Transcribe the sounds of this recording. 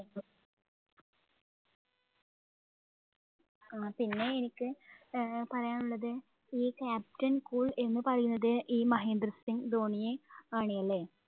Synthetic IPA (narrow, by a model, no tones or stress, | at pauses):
aːpinːe̞enikʲːɨ | pɐrɐjaːnuɭːɐðɨ | iːkaːp̚tɐnkuːɭe̞nːɨpɐrɐjunːɐðɨʔiːmɐɦe̞ːnd̪ɾɐsiŋɡd̪oːɳijeaːɳijɐlːe